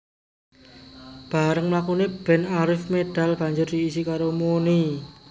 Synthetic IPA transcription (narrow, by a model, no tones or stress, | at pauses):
b̥a̤ɾəŋməlakuneb̥ɛ̤naɾɪfmed̪̥a̤lb̥a̤ɲd͡ʒʊrd̪iːsikaɾomoni